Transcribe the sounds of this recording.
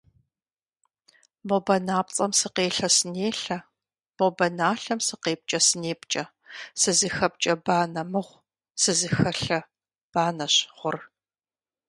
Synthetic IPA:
bobɐnaːp̚t͡sʼɐmsɨqeːɬɐsɨneːɬɐ | b̥obɐnaːɬɐmsɨqeːp̚t͡ʃʼɐsɨneːpt͡ʃʼɐ | sɨzɨxɐp̚t͡ʃʼɐbaːnɐmɨʁʷ | sɨzɨxɐɬɐ | b̥aːnɐɕʁʷʊr

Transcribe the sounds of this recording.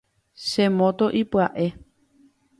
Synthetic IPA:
ʃẽmõt̪oʔipwaʔe̞

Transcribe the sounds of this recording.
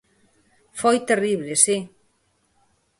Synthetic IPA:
fojt̪eriβ̞lesi

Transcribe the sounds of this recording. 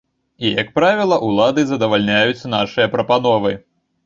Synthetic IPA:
ijɐk̚pɾavʲilˠɐʔulˠad̪ɨzɐd̪ɐvalʲnʲajut͡sʲnaʂɨjɐpɾɐpanɔvɨ

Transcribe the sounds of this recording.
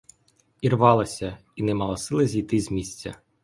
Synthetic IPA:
irʋɑlˠɐsʲɐinɛmɑlˠɐsɪlˠɐzʲijt̪ɪzʲmʲisʲt͡sʲːɐ̰

